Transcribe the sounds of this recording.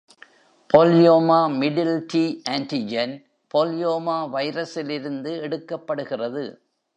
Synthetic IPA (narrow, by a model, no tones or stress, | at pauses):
pʰoːljoːmaːmɪɖɪlʈiːʔaːɳʈid͡ʒɐn | poːljoːmaːʋɐɪɾɐsɪlɪɾɯnd̪ɯɛɽɯkːɐpːɐɽɯɣɪrɐðɯ